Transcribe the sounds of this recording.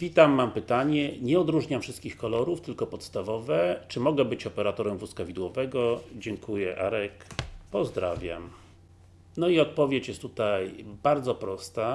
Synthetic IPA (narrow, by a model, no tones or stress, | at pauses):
vʲit̪amːampɘt̪aɲɛɲɛɔd̪ɾuʐɲamfʂɘst̪kʲixkɔlɔɾuft̪ɘlkɔpɔt̪st̪avɔvɛt͡ʂɘmɔɡɛbɘt͡ɕɔpɛɾat̪ɔɾɛmvuskavʲid̪wɔvɛɡɔd͡ʑɛŋkujɛʔaɾɛkpɔzd̪ɾa̰vʲja̰m | nɔiɔt̪̚pɔvʲjet͡ɕjɛst̪ːut̪ajbaɾd̪zɔpɾɔst̪a